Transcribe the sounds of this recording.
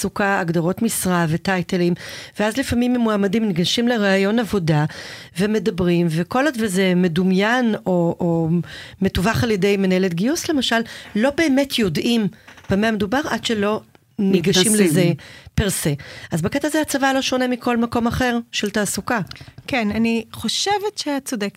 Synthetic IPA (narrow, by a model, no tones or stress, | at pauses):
sukaaɡdaʁotmisʁavetajtelimveazlifamimmuamadimniɡaʃimleʁaːjo̞navo̞da | ve̞me̞dabʁimveko̞ladvezeme̞dumjano̞ʔome̞tuvaχaljede̞jmenaeletɡiusle̞maʃalːo̞be̞ːmetʰjo̞dʔimb̥ameame̞dubaʁʔad̥ʃe̞lo̞ | niɡaʃimlezepiʁseʔazbakɛtaːzeat͡savalo̞ʃo̞nemikʰo̞lmako̞maχe̞ʁʃeltaːsukakenaniχo̞ʃevetʃeat͡sodek